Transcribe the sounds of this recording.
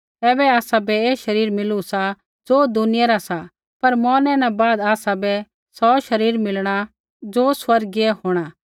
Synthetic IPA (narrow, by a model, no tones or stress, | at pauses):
tɛːbɛaːsabɛeːʃɐɾiːɾmɪlusa | d͡zoːd̪ʊnɪjaɾasa | pɐɾmɔːnɛ̃nɛ̃baːd̪aːsabɛ | sɔʃɐɾiːɾmɪlɽ̃a | d͡zoːswɐɾɡiɛɦoːɽ̃aː